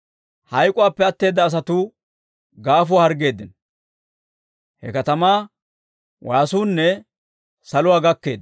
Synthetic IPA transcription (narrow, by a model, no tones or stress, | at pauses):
hɐjkʼʊwaːpːɛɐt̪ːe̞ːd̪ːɐːs̬ɐt̪ʊ | ɡaːfʊahɐɾɡe̞ːd̪ːɪn | hɛ̰kɐt̪ɐmaː | wʔaːsuːnːɛ | sɐlʊwaːɡɐkːe̞̰ːd̪